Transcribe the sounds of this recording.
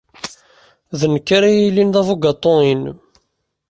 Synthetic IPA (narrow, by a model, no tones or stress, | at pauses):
ðənəkːaɾajilːinðˤævuɡɑt̪ˤːoin